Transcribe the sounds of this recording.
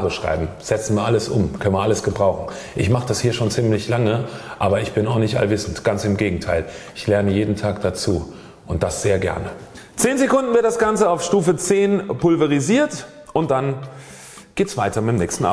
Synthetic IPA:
ʁəʃʁ̥a̰ɪbm̩z̥ɛt͡sn̩viːɐʔaləsʔʊ̰mkʰœnənviːɐaləsɡ̥əbʁaʊxn̩ | ʔɪçmaχəd̥ashiːɐʃoːnt͡siːmlɪçlaŋəʔaːbɐɪçb̥ɪnaʊxnɪçtʔa̰lvɪsn̩tɡ̥ant͡sɪmɡeːɡŋ̩tʰaɪlɪçlɛɐnəjeːdn̩tʰaːk̚d̥at͡suː | ʔʊntd̥asz̥eːɐɡɛ̰ɐnə | t͡seːnzekʊndn̩vɪɐtd̥asɡ̥ant͡səaʊfʃtuːfət͡seːnpʊlvəʁiziːɐt | ʔʊnt̚d̥an | ɡ̥eːtsv̥aɪtɐmɪtmnɛːçstn̩ʔa̰ː

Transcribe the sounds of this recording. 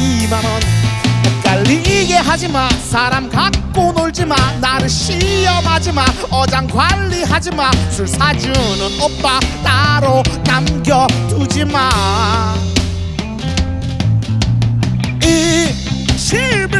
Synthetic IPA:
iman | k͈aɭːiːɡeɦad͡ʑimansʰaɾamkak̚k͈onoɭd͡ʑimanːaɾɯɭɕijʌmad͡ʑiman | ʌd͡ʑaŋɡwaɭːiɦad͡ʑimansʰuɭsʰad͡ʑunɯnop͈at̪aɾokamɡjʌtud͡ʑima | n | i | ɕʰi

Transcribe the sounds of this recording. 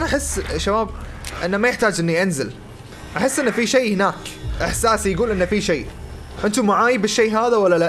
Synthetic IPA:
ʔanaʔaħɪsːʃabaːb | ʔɪnːamajɪħt̪aːd͡ʒʔɪnːiʔanzɪl | ʔaħɪsːʔɪnːfiʃeːhɪnaːkʔɪħsaːsjɡuːlʔɪnːafiʃeː | ʔɪnt̪umaʕaːjibɪʃːeːɦaːðawalːala

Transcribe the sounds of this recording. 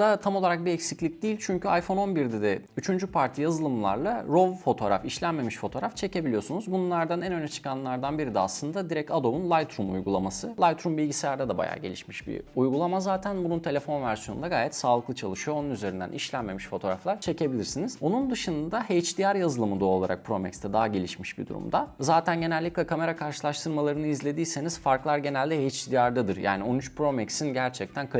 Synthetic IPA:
d̪at̪ʰamo̞lˠaɾak̚biɛcsiclʲic̚d̪iːilʲt͡ʃʰyɲcʰyajfo̞no̞nbiɾd̪ɛd̪ɛyt͡ʃʰynd͡ʒypʰaɾt̪ʰijazɯlˠɯmlˠa̰ɾlˠaɾo̞vfo̞t̪ʰo̞ɾa̰fiʃlʲænme̞miʃfo̞t̪ʰoːɾaft͡ʃʰe̞ce̞bilʲijo̞sunuzbunlˠaɾd̪anænø̞nɛt͡ʃʰɯ̥kʰanlˠaɾd̪anbiɾid̪ɛa̰slˠɯnd̪ad̪iɾɛcad̪omunlˠajt̪ʰɾumṵjɡulˠa̰masɯlˠajt̪ʰɾumbilʲɟiselʲæɾd̪ɛd̪aba̰ja̰ːɟelʲḭʃmiʃbḭujɡulˠamazaːt̪ʰænbununt̪ʰe̞lʲefo̞nvæɾsijo̞nṵnd̪aɡaːjɛt̪saːlˠɯklˠɯt͡ʃʰalˠɯʃɯjoonunyzeɾind̪æ̰nʔiʃlʲænme̞miʃfo̞t̪ʰo̞ɾa̰flˠaɾt͡ʃʰe̞ce̞bilʲiɾsiniz̥o̞nund̪ɯʃɯnd̪ad̪ahejt͡ʃd̪ijaɾjazɯlˠɯmɯd̪ao̞lˠaɾʔa̰k̚pʰɾo̞mɛ̰kst̪ɛd̪aɦaɟe̞lʲiʃmiʃbḭd̪ṵɾṵmd̪azaːt̪ʰænɟe̞nælʲːiclʲɛkʰame̞ɾakʰaɾʃɯlˠaʃt̪ʰɯɾmalˠaɾɯnɯizlʲe̞d̪iːse̞niz̥faɾklˠaɾɟe̞nælʲd̪ɛhejt͡ʃd̪ijaɾd̪ad̪ɯɾja̰ːnio̞nyt͡ʃpɾo̞mɛksinɟæɾt͡ʃʰɛc̚t̪ʰænkʰ

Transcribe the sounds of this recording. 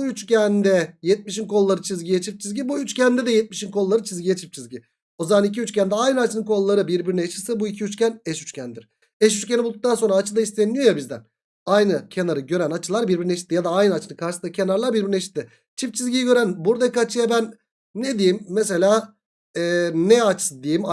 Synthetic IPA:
uyt͡ʃcænd̪ɛjɛt̪̚miʃinkʰo̞lˠlːˠaɾɯt͡ʃʰizɟijɛt͡ʃʰip̚t͡ʃʰizɟibuyt͡ʃcænd̪ɛd̪ɛjɛt̪̚miʃinkʰo̞lˠːaɾɯt͡ʃʰizɟijɛt͡ʃʰip̚t͡ʃʰizʲɟi | o̞zamanic̬ʰiyt͡ʃcʰænd̪ɛajnɯat͡ʃʰɯnɯnkʰo̞lˠlːˠaɾɯbiɾbiɾinet͡ʃɯ̥sɯbuicʰiyt͡ʃcænɛʃyt͡ʃcʰænd̪iɾ̥ | ɛʃyt͡ʃcʲenibulˠd̪uk̚t̪ʰanso̞nɾaːt͡ʃʰɯd̪aist̪ʰenːijojabizd̪æ̰n | ajnɯcʰenaɾɯɟøɾænat͡ʃʰɯlˠaɾbiɾbiɾineʃ̬it̪ːijad̪aajnɯat͡ʃʰɯnɯkʰaɾʃɯsacʰe̞naɾlˠaɾbiɾbiɾneʃi̥t̪ːi | t͡ʃʰipt͡ʃʰizʲɟijɟø̞ɾænbuɾd̪akat͡ʃʰɯjabænː | ed̪ijimːes̬e̞lʲaː | ɛːnɛat͡ʃʰɯ̥sɯd̪ijim

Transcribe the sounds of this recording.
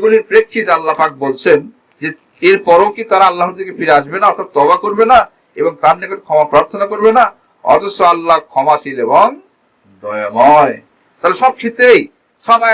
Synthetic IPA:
ɡuliɾpɾekʰːit̪alːapak̚bolt͡ɕʰen | d͡ʑe | eɾpɔɾokit̪aɾaalːaɦoɾd̪ʰʱikefiɾeaʃbenaɔɾt̪ʰat̪ːɔbakoɾbena | eboŋt̪aɾnikoʈkʰɔmapɾaɾt̪ʰonakoɾbena | ɔ̰t̪osːoalːakʰɔmaʃileboŋ | d̪ɔjomɔ | t̪aleʃɔb̚kʰit̪ej | ʃɔma

